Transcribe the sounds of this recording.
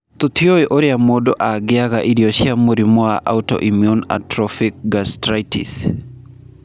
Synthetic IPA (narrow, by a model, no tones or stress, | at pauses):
t̪ot̪joeʔoɾjamodoʔaɡɪaɣaʔiɾjɔʃjamoɾimoaʔa̰tɔ̰ʔimiuna̰tɾɔfik̚ɡastɾajtḭs